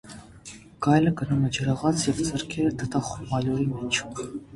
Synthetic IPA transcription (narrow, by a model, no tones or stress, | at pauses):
ɡ̥ɑjləɡənumɛd͡ʒəɾɑʁɑt͡sʰjɛvd͡zəɾkʰɛɾət̪ʰət̪ɑχumɑlɔɾimɛt͡ʃʰu